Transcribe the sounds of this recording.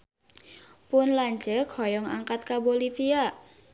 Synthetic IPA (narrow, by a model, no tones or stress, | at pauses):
pʊnlaɲd͡ʒəkʰɔjɔŋaŋkat̪̚kabolifia